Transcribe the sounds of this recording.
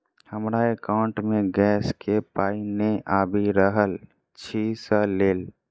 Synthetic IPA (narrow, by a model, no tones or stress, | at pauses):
həmɾaekaʊɳʈmẽɡɛːskʰepaːineʔaːbʱiɾəɦəl | t͡ʃʰisəleːl